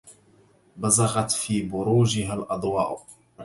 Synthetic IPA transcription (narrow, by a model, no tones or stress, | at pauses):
bazɑɣɑt̪fiːbʊɾuːʒɪɦalʔɑd̪ˤwɑ̰ːʔ